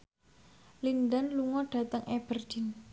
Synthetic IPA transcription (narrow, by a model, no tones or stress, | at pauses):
lind̪anluŋɔɖ̥ä̤t̪əŋeb̥ərd̥in